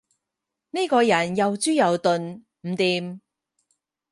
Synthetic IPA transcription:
ne˥kɔː˧jɐ˨˩njɐ˨wt͡syː˥jɐ˨wt̪ɵ˨˧n | m̩˨˩t̪iː˨m

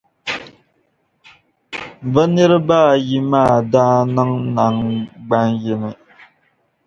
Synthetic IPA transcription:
bə˦nɛ˦ɾɨ˦baː˦˨ji˦maː˦˨daː˦nɨ˦ŋna˨ŋɡ͡ba˦njɛ˦nɨ˨

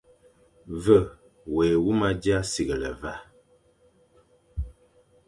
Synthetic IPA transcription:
və˦˨ | we˨wu˦ma˦dja˦si˨ɣə˨lə˨va˦

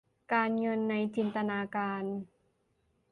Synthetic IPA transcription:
kaː˧nŋɤ˧nːa˧jt͡ɕi˧nt̪a˧naː˧kaː˧n

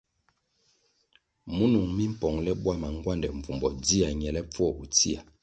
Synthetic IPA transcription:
mu˦nu˨ŋmi˦m̩˦pɔ˨ŋlɛ˦ɓwa˦ma˨ŋɡwa˦ndɛ˨ɱ˨vu˨mbɔ˨di˦a˨ɲɛ˨lɛ˦p͡fu˦ɔ˦˨u˨ti˦a˨

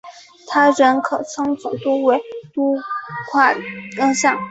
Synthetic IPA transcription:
t̪ʰa˥ɻə˧˥nkʰɤ˨˩t͡sʰɤ˥ŋt͡su˨˩t̪u˥we˧˥ɪt̪u˥kʰwa˥˩kɤ˥ŋʂɑ˥˩ŋ

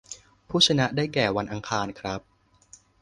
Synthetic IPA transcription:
pʰuː˥˩t͡ɕʰa˧na˦˥daː˥˩jkɛː˨˩wa˧nʔa˧ŋkʰaː˧nkʰɾa˦˥p̚

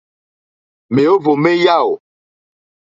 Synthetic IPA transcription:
me˨o˦vo˨me˦ja˦o˨

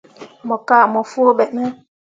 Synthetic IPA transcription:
mɔ˨kaː˦˨mɔ˨foː˦ɓɛ˨ʔnɛ˦

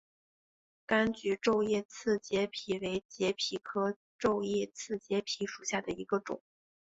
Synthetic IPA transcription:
ka˥nt͡ɕy˧˥ʈ͡ʂo˥˧ʊjɛ˥˧t͡sʰɹ̩˥˩t͡ɕjɛ˧˥pʰi˨˩we˧˥ɪt͡ɕjɛ˧˥pʰi˨˩kʰɤ˥ | ʈ͡ʂo˥˧ʊjɛ˥˧t͡sʰɹ̩˥˩t͡ɕjɛ˧˥pʰi˧˥ʂu˨˩ɕja˥˩d̪ə˩i˧˥ɡə˧ʈ͡ʂʊ̰˨˩˦ŋ

